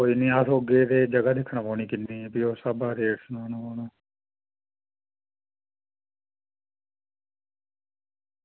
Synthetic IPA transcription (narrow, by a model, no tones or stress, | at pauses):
koːiːniːasoːɡeːd̪eːd͡ʒəɡaːd̪ɪkʰɳaboːɳiːkɪnːiːpioːsəbaːd̪eːɾsnaːnaːoːnaː